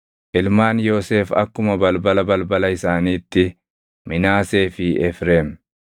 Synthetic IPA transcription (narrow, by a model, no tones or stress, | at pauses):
ʔɪlmaːnjo̞ːse̞ːfɐ̰kːʊmɐbɐlbɐlɐbɐlbɐlɐɪsaːniːt̪ːɪ | mɪnaːse̞ːfɪʔɛfɾe̞ːm